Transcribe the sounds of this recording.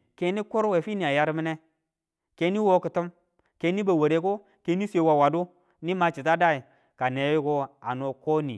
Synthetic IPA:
ke˨˦ni˦ku˦ɾwe˨fi˦ni˨a˨ja˦ɾmi˦ne˦ | ke˨˦ni˦wo˦ki˨tu˦m | ke˨˦ni˦ba˨we˨ɾe˦ko˦ | ke˨˦ni˦se˦wa˨wa˨du˦ | ni˦ma˨t͡ʃi˨t̬a˦da˦i˨ | ka˨ne˨˦ji˦ko˦a˨no˨ko˦nḭ˨

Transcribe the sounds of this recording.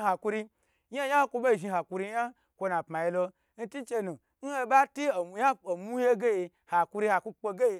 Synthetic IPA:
ha˨ku˧ɾi˧ | ja˦ja˦kʷo˧bo˦˨ʒi˧ha˨ku˧ɾi˧ja˦ | kʷo˧na˨pma˨ji˧lo˧ | n̩˦ti˦t͡ʃe˧nũ˨ | n̩˦he˧ba˦ti˦o˨ja˦o˨mu˦je˦ɡe˦je˧ | ha˨ku˧ɾi˧ha˨ku˧k͡po˧ɡe˦je˧

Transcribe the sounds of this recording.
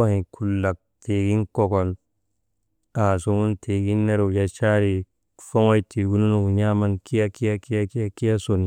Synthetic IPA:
a˦hĩ˨kʰu˨lːa˨k̚tʰe˨ɡi˦nkɔ˦kɔ˨l | a˨su˦mu˦ntʰe˨ɡi˦nːe˦ɾu˨ja˦t͡ʃa˦ɾi˨ | fo˦ŋa˦iti˨ɡu˦nu˦nu˨u˨ɲa˦ma˦nki˦ja˦ki˦ja˦ki˦ja˦ki˦ja˦ki˦a˦so˨n˨

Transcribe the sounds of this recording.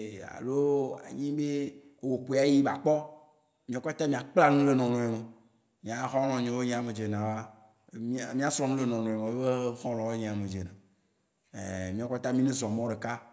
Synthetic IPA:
a̰˨lo˦a̰˨ɲĩ˦be˦˨ | wo˨k͡po˨˦˨a˦ji˦ba˨k͡pɔ˦ | mĩ˦o˨˦ka˦t̪a˦mĩ˨a˨k͡pla˦nũ˦le˨nɔ̃˨nɔ̃˨e˨me˨ | mĩ˨˦a˨˦xɔ̃˦lɔ̃˨ɲẽ˨wo˦ɲẽ˦a˨me˨d͡ʒe˨nã˨wa˦˨ | m̃˦˨mĩ˦a˨sɔ̃˦nũ˦le˦nɔ̃˨nɔ̃˨e˨mẽ˨e˦be˦xɔ̃˦lɔ̃˨wo˦ɲẽ˨a˨me˨d͡ʒe˨nã˨ | ḛ˨mĩ˦a˨ka˦t̪a˦mĩ˦ne˦zɔ̃˨mɔ̃˦ɖe˨ka˦

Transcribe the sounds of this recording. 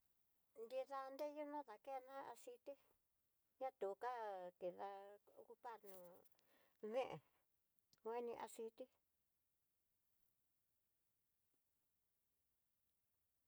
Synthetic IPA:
nd̪i˧ða˧nd̪e˦ju˦nã˦ða˨ke˦˧nã˦a˧si˧t̪i˦ | ɲã˦t̪u˨˧ka˦ki˨ða˧ku˧pa˦˨ɾnũ˨ | ðẽ˦ʔḛ˨ | ŋ˧e˦nĩ˧ʔa˧si˧t̪i˦

